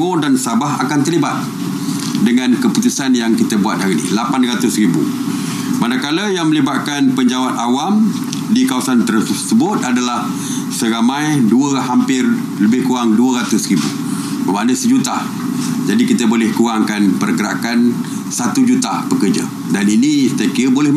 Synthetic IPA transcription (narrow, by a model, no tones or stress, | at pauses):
odansabaɦakant̪ərlibat̪̚ | dəŋãnkəput̪usanjaŋkit̪əbuat̪̚haɾinḭhlapanrat̪ʊsribṵ | manakaləjaŋmə̃libat̪̚kanpəɲd͡ʒawat̪awam | dikawasant̪ərsəbʊt̪̚adalah | səɾamãjduəɦampɪr | ləbɪhkuɾaŋduəɾat̪ʊsɾibṵ | bəmanəsəd͡ʒut̪a | d͡ʒadikit̪əbolɛhkuɾaŋkanpərkəɾa̰kan | sat̪ud͡ʒut̪apəkərd͡ʒa̰ | daninist̪aakiɾəbolɛh